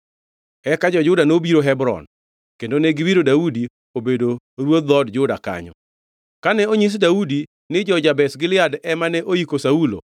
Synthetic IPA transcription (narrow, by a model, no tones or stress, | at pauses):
ɛkad͡ʒɔd͡ʒʊdanobiɾoɦɛbɾɔ̰n | kendonɛɡɪwiɾodaudi | obedo | ɾwod̪ɔdd͡ʒʊda̰ka̰ɲɔ̰ | kanɛoɲis̬daudi | nɪd͡ʒɔd͡ʒabɛsɡɪlɪadɛmanɛʔoikosaulo̰